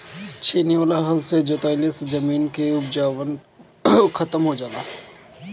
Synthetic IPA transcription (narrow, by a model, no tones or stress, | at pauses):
t͡ʃʰeːniʋaːlaɦɐlsed͡ʒoːt̪aːlɪsd͡ʒɐmiːnkeʊbd͡ʒaːʋən | xʰɐt̪əmɦod͡ʒaːnaː